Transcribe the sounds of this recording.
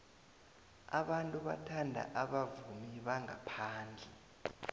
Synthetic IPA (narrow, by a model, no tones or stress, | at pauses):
a̰ɓantʼuɓa̰tʰandʱa̰ʔaɓavumiɓaŋapʰaːnd͡ɮʱɛ